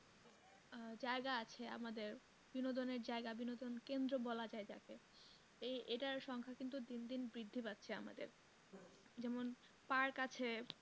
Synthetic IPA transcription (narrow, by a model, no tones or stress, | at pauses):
d͡ʑaeɡaat͡ɕʰea̰mad̪eɾ | binod̪oneɾd͡ʑaeɡabinod̪onkend̪ɾobɔlad͡ʑaed͡ʑa̰ke | eeʈaɾʃɔŋkʰakint̪ud̪ind̪inbɾid̪ʱːipat̪ːɕʰea̰ma̰d̪ḛɾ | d͡ʑɛmon | paɾkat͡ɕʰe